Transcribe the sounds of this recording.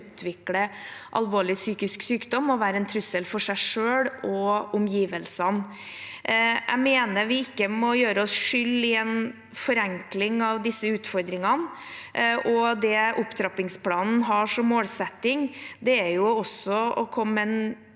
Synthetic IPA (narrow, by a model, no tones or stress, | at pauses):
t̪ʰʋɪkɽəʔɑ̰lʋoːɭɪsyːkɪsksyːkd̪ɔmɔʋæːɾəɛnt̪ʰɾʉsəlfɔʂæɪʂøːɽɔʊmjiːʋəlsən | ʔæ̰ɪmeːnəɾʋɪɪkːəmɔjøːɾəɔsʂʏlɪɛn | fɔɾɛŋklɪŋɑʋd̪ɪsːəʉːt̪fɔɾd̪ɾɪŋɑn | ʔɔd̪ɛʊpːt̪ʰɾɑpɪŋspʰlɑːnn̩ɦɑʂɔmːoːlsɛt̪ːɪŋd̪ɛæɾjʊɔsɔɔkʰɔmːɛn